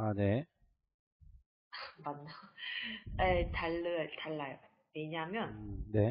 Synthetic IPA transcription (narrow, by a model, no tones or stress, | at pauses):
ane̞ | manːa | etaɭːɯtaɭːajo | weɲaɦmjʌnne̞